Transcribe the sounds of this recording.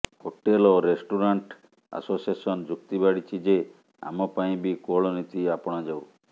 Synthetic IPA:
hoʈeloɾesʈuɾaɳʈ | a̰sosiesɔnd͡ʒuk̚t̪ibaɽit͡ʃʰid͡ʒe | a̰mɔpaĩbikoɭɔnit̪iapɔɽ̃ɔd͡ʒaw

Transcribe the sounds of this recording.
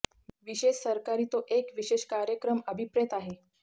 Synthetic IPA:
ʋiɕeʃsəɾkaɾiːt̪oʔekʋiɕeɕkaɾjəkɾəməbʱipɾet̪aɦe

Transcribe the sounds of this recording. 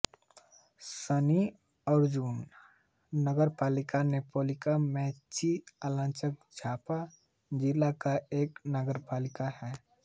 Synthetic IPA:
səni | ɔɾd͡ʒunː | əɡəɾpaːlɪkanepoːlɪkamɛ̃ːt͡ʃialãːt͡ʃək̚d͡ʒʱaːpa | d͡ʒɪlakaeːknəɡəɾpaːlɪkahɛː

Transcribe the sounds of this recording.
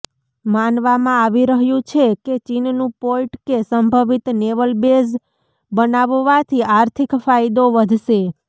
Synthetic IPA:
manʋamãaʋiɾəɦjũt͡ʃʰeket͡ʃinnũpoiʈkesəmbʱəʋit̪neʋəlbes | bənaʋʋat̪ʰiaɾt̪ʰikfajd̪oʋəd̪ʱʃe

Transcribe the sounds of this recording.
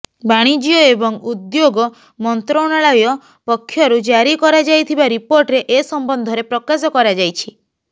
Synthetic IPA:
baɽ̃id͡ʒiɔebɔŋud̪joɡɔ | mɔnt̪ɾɔɽ̃aɭɔjɔ | pɔkʰːjɔɾud͡ʒaɾikɔɾad͡ʒajt̪ʰibaɾipoɾʈɾeʔesɔmbɔnd̪ʱɔɾepɾɔkasɔkɔɾad͡ʒajt͡ʃʰi

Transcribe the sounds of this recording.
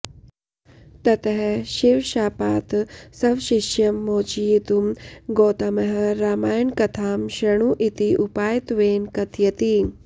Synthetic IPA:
t̪ɐt̪ɐɦeɕiʋɕaːpaːt̪sɐʋɕiʃjɐmːoːt͡ʃijit̪umɡoːt̪ɐmɐɦɐɾaːmaːjɐɳkɐt̪ʰaːmɕɾɐɳ̃uʔit̪iʔupaːjt̪ʋeːnkɐt̪ʰjɐt̪i

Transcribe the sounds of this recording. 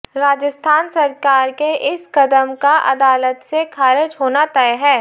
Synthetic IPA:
ɾaːd͡ʒəst̪ʰaːnsɐɾkaːɾkeʔɪskɐd̪əmkaʔɐ̰d̪aːlət̪sekʰaːɾɪd͡ʒɦoːnat̪ɛjɦɛː

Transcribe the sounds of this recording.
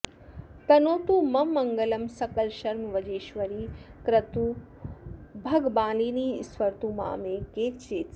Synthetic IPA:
t̪ɐnoːt̪umɐmːɐŋɡɐlɐmsɐkɐlʃɐɾmɐʋɐd͡ʒeːʃʋɐɾiːkɾɐt̪u | bʱɐɡbaːliːniːsʋɐɾt̪uma̰ːmeːkeːt͡ʃeːt͡s

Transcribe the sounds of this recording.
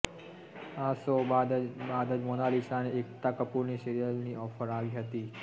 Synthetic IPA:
asobad̪əd͡ʒmonalisaneʔek̚t̪akəpuɾniseɾijəlniʔɔfəɾaʋiɦət̪i

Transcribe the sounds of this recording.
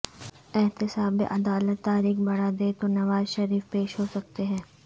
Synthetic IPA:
ɪɦt̪ɪsaːbḛʔɐd̪aːlət̪ːaːɾiːxbɐɽad̪eːt̪onɐʋaːzʃɐɾiːfpeːʃɦoːsɐk̚t̪eɦɛ̃ː

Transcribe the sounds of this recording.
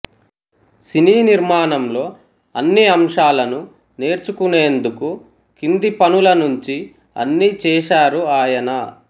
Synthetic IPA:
siniːniɾmaːnɐmlo̞ː | ɐnːiɐmʂaːlɐnu | ne̞ːɾt͡ʃukune̞ːnd̪uku | kind̪ipɐnulɐnuɲt͡ʃi | ɐ̰nːit͡ʃɛːʂaːɾuaːjɐnɐ

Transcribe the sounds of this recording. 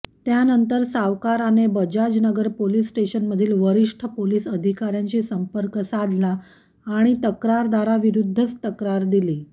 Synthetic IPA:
t̪janənt̪əɾsaʋkaɾanebəd͡ʑad͡ʑnəɡəɾpolisʈeɕənməd̪ʱiːlʋəɾiʂʈʰəpolisəd̪ʱikaɾjãɲt͡ɕiːsəmpəɾkəsad̪ʱlaː | ɽ̃it̪əkɾaɾd̪aɾaʋiɾud̪ʱːət͡st̪əkɾaɾd̪iliː

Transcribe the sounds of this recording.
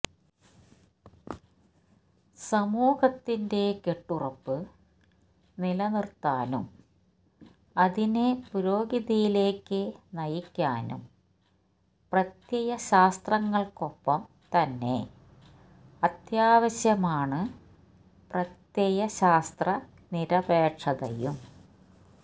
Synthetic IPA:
sɐmuːhɐt̪ːinde̞ke̞ʈːurɐpːɨ | nilɐnirt̪aːnṵm | ɐðinepuɾo̞ːɡiðɐjile̞ːkːɨnɐjikʲːaːnṵm | prɐt̪jejɐɕaːst̪rɐŋːɐɭko̞pːɐm | t̪ɐnːe̞̰ | ɐt̪jaːʋɐɕjɐmaːɳɨ | prɐt̪jejɐɕaːst̪rɐ | niɾɐbeːʂɐðɐ̰jum

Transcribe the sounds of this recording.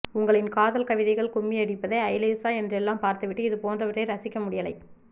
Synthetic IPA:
ʊŋɡɐɭɪnkaːðɐlkɐʋɪðɐɪɣɐɭkʊmːiɐɽɪpːɐðɐɐɪleːsaːɛndrɛlːaːmpaːɾt̪ɯʋɪʈːɯɪðɯpoːndrɐʋɪʈreɪɾɐsɪkːɐmʊɽɪjɐlɐɪ

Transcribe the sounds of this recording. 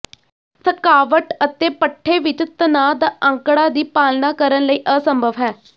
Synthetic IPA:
səkaːʋəʈət̪eːpəʈʰːeːʋɪt͡ʃt̪ənaːd̪aːʔə̃ŋkɽaːd̪iːpaːlnaːkəɾənləiːʔəsəmbʱəʋɦɛː

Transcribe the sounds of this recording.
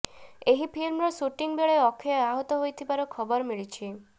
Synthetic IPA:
eɦipʰilmɾɔsuʈiŋbeɭeɔkʰeɔaɦɔt̪ɔɦojt̪ʰibaɾɔkʰɔbɔɾmiɭit͡ʃʰi

